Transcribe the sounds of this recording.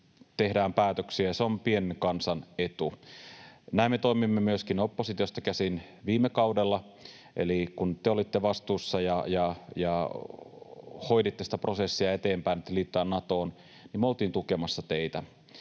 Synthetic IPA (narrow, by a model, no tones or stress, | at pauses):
t̪ehdæːmpæːt̪øksiæjɑseompienkɑnsɑnet̪u | næimːet̪oimimːemyøskinopːosit̪ʲiost̪ɑkæsinʋiːmːekɑudelːɑ | ʔḛlikunt̪eolit̪ːeʋɑst̪uːsːɑjɑjɑjɑ | ho̞idit̪ːesi̥t̪æpro̞sesːiɑet̪eːmpæinːet̪ːeliːt̪ːøæːnnɑt̪oːn | nimeolt̪iːnt̪ukemɑsːɑt̪eit̪æ